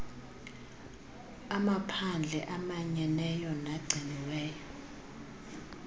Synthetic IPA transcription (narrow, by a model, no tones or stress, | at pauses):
amapʰand͡ɮʱɛʔamaɲɛnɛjɔnaɡ͡ǀʱiniwɛːjɔ